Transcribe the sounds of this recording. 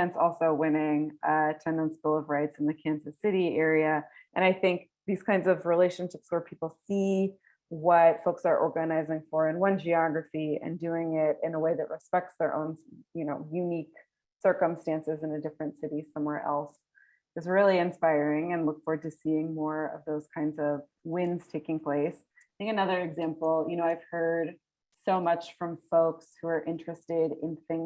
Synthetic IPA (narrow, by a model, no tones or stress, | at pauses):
ɛ̃nsɔlˠsoʊwɪ̃nɪ̃ŋʔətʰɛ̃ndə̃nsbɪlˠʌvɹaɪtsn̩ðɨkʰæ̃nzɨsɪɾiɛɹiɨ | ʔɨ̃ɾ̃aɪθɪ̃ŋk̚ | ðiz̥kʰãɪ̃ndzʌvɹileɪʃɨ̃nʃɪpswə˞pʰipl̩ˠsi | wʌtfoʊksə˞ʔɔ̰ɹɡɨnaɪzɪ̃ŋfə˞ɨ̃nwʌ̃nd͡ʒiɑɡɹɨfiɨ̰̃ndʉɪ̃ŋɪɾɪ̰̃nəweɪðɨʔ̚ɹɨspɛk̚tsðə˞ʔõ̰ʊ̃njɨnoʊjʉnik | sɜ˞kə̃mstæ̃nsɨzɨ̃nɨdɪfɹɨ̃ntsɪɾisʌ̃mwɛɹʔɛ̰lˠs | ɨs̬ɹɪlˠiɨ̃nspaɪɹɪ̃ŋɨ̃nlʊkfɔɹtɨsiɪ̃ŋmɔɹʌ̰vðoʊz̥kʰãɪ̃ndzʌv | wɪ̃nz̥tʰeɪkɪ̃ŋpʰl̥eɪs | ɨ̃ŋɨnʌðə˞ɨɡzæ̃mpl̩ˠjɨñoʊaɪv̥hɜ˞d̥̚ | soʊmʌt͡ʃfɹʌ̃ɱfoʊkshuə˞ʔɪ̃nt͡ʃɹ̥ɨstɪɾɪ̃nθɪ̃ŋ